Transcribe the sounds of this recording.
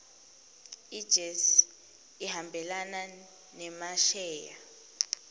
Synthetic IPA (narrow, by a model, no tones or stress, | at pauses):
id̥d͡ʒ̥ʱɛs | ihambʱɛlana | nɛmaʃɛːja̰